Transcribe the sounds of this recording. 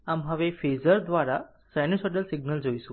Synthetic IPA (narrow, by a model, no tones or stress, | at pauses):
amɦəʋefezəɾd̪ʋaɾa | sɛnisɔʈelsiɡ̚nəld͡ʒojʃũ